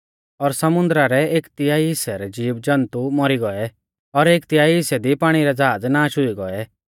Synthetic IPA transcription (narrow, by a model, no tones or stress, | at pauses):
ɔɾsɐmʊ̃nd̪ɾaɾɛeːkt̪ɪjaːiɦɪsɛɾɛd͡ʒiːbd͡ʒɐ̃nt̪umɔɾiɡɔɛ | ɔɾeːkt̪ɪjaːiɦɪsɛd̪ipaːɽ̃iɾɛd͡zaːd͡znaːʃɦʊiɡɔɛ